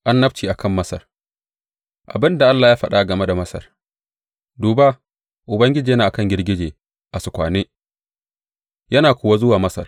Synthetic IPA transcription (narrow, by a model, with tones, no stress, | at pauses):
ʔa˦nːɐ˦b̚t͡ʃiː˨ʔa˨kʰɐ˦˨mːɐ˦sɐ̰˨r | ʔa̰˨bɪ˦nda˨ʔa˦lːaː˨jaː˦ɸɐ˦ɗa˦ɡɐ˨me˦da˨mɐ˦sɐ̰˨r | duː˨ba˦ | ʔʊ˨bɐ˦ŋɡʲɪ˦d͡ʒiː˨jɐ˦naː˨ʔa˨kɐ˦ŋɡʲɪ˦rɡʲɪ˦d͡ʒeː˨ | ʔa˨sʊ˨kʷa̰ː˨neː˦ | jɐ˦naː˨kʷʊː˨wa˦zʊ˦waː˨mɐ˦sɐ̰˨r